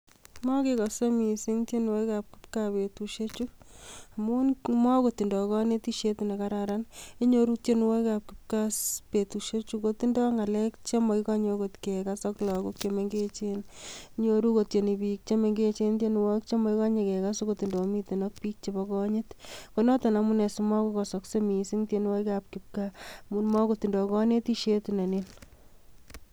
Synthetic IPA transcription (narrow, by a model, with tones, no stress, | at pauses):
mɔ˦kekɔ˨so˦mi˨si˦ŋt͡ʃe˦n˨wo˦jkap̚kɪpka˨pe˨tuʃet͡ʃuamu˦nmɔ˦kotːi˨ndɔ˨kɔ˦ne˦t̪i˦ʃe˦tɪ˨ne˨kaɾaɾani˦ɲoɾu˦k̚t͡ʃe˦nwo˦jkap̚kɪp̚kaspe˨tu˨ʃe˦t͡ʃu˦koti˦ndɔ˦ŋa˨lɛkt͡ʃe˦ma˨ika˦ɲoko˨t̪ke˨kasɔ˦klɔ˨kʊ˦kt͡ʃeme˨ŋɡet͡ʃe˦ni˦ɲoɾu˦kot̚t͡ʃe˨ni˨bi˨k̚t͡ʃe˦me˨ŋɡe˦t͡ʃe˦nte˦nuwɔ˦k̚t͡ʃe˦mɔ˨ika˦ɲe˧kɛkasokoti˨ndo˨mi˦tenɔ˦k̚pi˦k̚t͡ʃebɔkɔɲɪtkonɔ˦tɔna˨munɛ˨sumɔ˦kɔkɔsɔksemi˨si˦ŋten˦wɔ˦jkap̚kɪp̚kamunmɔ˦koti˨ndɔ˨kɔ˦ne˦ti˦ʃetuna˨nin